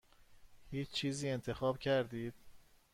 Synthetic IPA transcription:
hiːt͡ʃt͡ʃʰiːziːe̞nt̪ʰe̞xɒːbcʰæɾd̪iːd̪̥̚

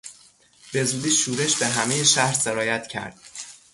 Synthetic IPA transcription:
b̥e̞zuːd̪iːʃuːɾe̞ʃbe̞ɦæmejeʃæhɾse̞ɾɒːjæt̪cʰæ̰ɾd̪̥

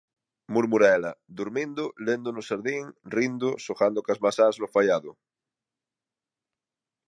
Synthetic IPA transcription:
muɾmuɾaelad̪uɾmĩnd̪ʊlend̪onʊsaɾðiŋrind̪ʊsoxand̪okazmasaznofaʎaðʊ

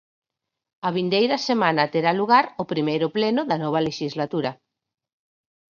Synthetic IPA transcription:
ɐβind̪ejɾɐsemãnɐt̪eɾaluɣaɾʊpɾimejɾʊplɛnʊðɐnɔβ̞ɐleʃizlat̪uɾɐ

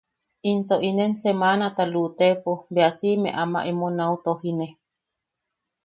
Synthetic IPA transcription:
ʔint̪oʔinensemanat̪alut̪epobeasimẽʔama̰ʔemonaut̪ohine

